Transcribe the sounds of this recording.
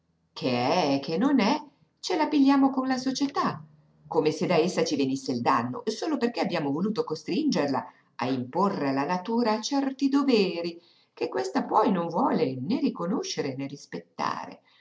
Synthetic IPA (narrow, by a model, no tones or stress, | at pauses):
kʰeɛkʰːenːonɛ | t͡ʃelapiʎːjaːmokonlasot͡ʃet̪a | kːomesed̪aesːat͡ʃivenisːeild̪anːo̰soːloperkeabjaːmovoluːt̪okost̪ɾind͡ʒerla̰ | a̰imporːealanat̪uːɾaːt͡ʃːɛrt̪id̪ovɛːɾi | kekːwest̪apɔjnoɱvwɔːlenerikonoʃːeɾenerispet̪ːa̰ːɾḛ